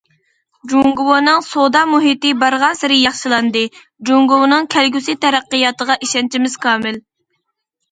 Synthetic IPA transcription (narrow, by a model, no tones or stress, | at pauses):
d͡ʒuŋɡʊwonɨŋsod̪ɑmuɦit̪ɨbɑɾʁɑnsɨɾɪjɑχʃɨlˠɑnd̪ɨ | d͡ʒuŋɡʊwnɨŋkʲʰɛlɡʲysit̪ʰɛɾæqːəjɑt̪əʁɑʔiʃɛnt͡ʃʰimɪz̥kʰɑːmɪl